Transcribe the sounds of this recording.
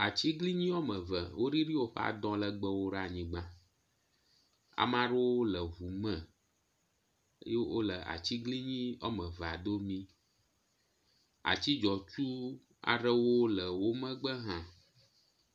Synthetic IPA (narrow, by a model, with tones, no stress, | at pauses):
a˨t͡ɕi˦ɡli˦ɲĩ˦ɔ˦mə̃˨və̰˨wo˦ɖi˦ɾi˦wo˦ɸə̰˦a̰˨d̪ɔ̃˦lə˨ɡ͡bə˦wo˦ɖa˨ɲĩ˨ɡ͡bã˦ | a̰˨mã˦ɖe˦wo˦lə˨ɦu˨mə˨˦ | je˦wo̰˦lə˨ʔa̰˨t͡ɕi˦ɡli˦ɲĩ˦ɔ̰˦mə̃˨va˨d̪o˦mĩ˦ | a̰˨t͡ɕi˦d͡ʒɔ˨t͡ʃu˦ | a̰˨ɖə˦wo˦lə˨wo˦mə̃˦ɡ͡bə˦ɦã˦